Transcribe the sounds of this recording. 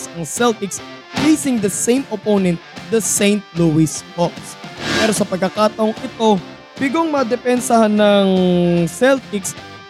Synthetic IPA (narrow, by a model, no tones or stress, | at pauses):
sɐŋsɛlt̪ɪks | pliːsɪŋd̪ɐsejmoponɛ̃nt̪̚d̪ɐsẽjnt̪̚luwɪskɔkspɛːɾo̞sɐpɐɡkːɐkaːt̪ɐʔoŋʔɪt̪o̞ | bɪɡoŋmɐd̪ɛpɛnsɐhanːɐŋsɛlt̪ɪks